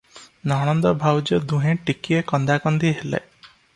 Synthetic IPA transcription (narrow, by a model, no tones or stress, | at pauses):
nɔɦɔnd̪ɔbʱawd͡ʒɔd̪uɦẽʈikiekɔnd̪akɔnd̪iɦela̰